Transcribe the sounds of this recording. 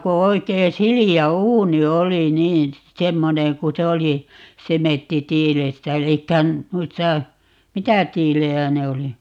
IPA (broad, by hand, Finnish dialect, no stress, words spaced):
ko oikeː siliæ uːni oli niːn̞ semːoneŋ ku se oli semetːitiːlestæ elikːæ nuistɑ mitæ tiːlejæ ne oli